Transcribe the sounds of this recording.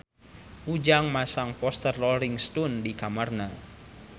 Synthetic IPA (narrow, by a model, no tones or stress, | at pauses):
ʔud͡ʒaŋmasaŋpɔst̪ərːɔlɾiŋst̪undikamarna